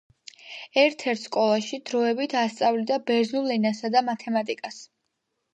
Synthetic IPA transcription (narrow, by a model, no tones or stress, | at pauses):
ɛɾt̪ʰɛɾt̪ʰskʼɔlˠaʃid̪ɾɔɛbit̪ʰast̪sʼavlid̪abɛɾnulˠɛnasad̪amat̪ʰɛmat̪ʼikʼas